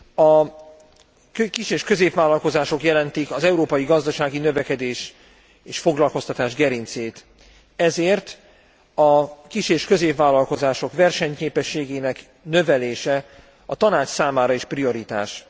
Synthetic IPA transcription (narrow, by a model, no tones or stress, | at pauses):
ɒ | kiʃeːʃkø̞zeːpvaːlːɒlko̞zaːʃo̞kjɛlɛnt̪ikɒzɛuɾoːpɒjiɡɒzd̪ɒʃaːɡinø̞vɛkɛd̪eːʃ | eːʃfo̞ɡlɒlko̞st̪ɒt̪aːʒɡɛɾint̪seːt̪ | ɛzeːrt̪ | ɒkiʃeːʃkø̞zeːpvaːlːɒlko̞zaːʃo̞kʋɛrʃɛɲkeːpɛʃːeːɡeːnɛk | nø̞vɛleːʃɛ | ɒt̪ɒnaːt͡ʃsaːmaːɾɒeʃprio̞ɾit̪a̰ːʃ